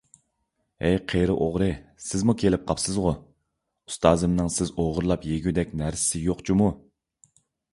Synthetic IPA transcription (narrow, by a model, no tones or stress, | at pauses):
ɛjqʰeɾɨʔoʁɾɨsɪzmukʲʰelɪp̚qʰɑpsɨzʁʊ | u̥st̪ɑːzɨmnɨŋsɪzoʁʊɾlˠɑpjeɡʲyd̪ɛkʲnæɾsɪ̥sɪjoqt͡ʃʰimu